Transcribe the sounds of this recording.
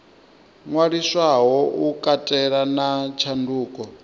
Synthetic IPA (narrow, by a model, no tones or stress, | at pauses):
ŋwaɺiswaɦɔukʼatʼɛɺanat͡ʃʰanduːkʼɔ